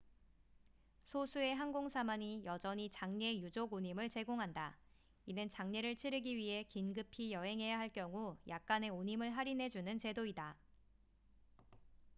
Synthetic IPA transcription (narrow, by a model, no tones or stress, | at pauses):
sʰosʰue̞ɦanɡoŋsʰamaɲijʌd͡ʑʌɲit͡ɕaŋɲe̞jud͡ʑoɡoɲimɯɭt͡ɕe̞ɡoŋɦanda | inɯnt͡ɕaŋɲe̞ɾɯɭt͡ɕʰiɾɯɡiɥiɦe̞kinɡɯpʰijʌɦe̞ŋɦe̞jaɦaɭk͈jʌŋujak̚k͈ane̞oɲimɯɭɦaɾinɦe̞d͡ʑunɯnt͡ɕe̞doida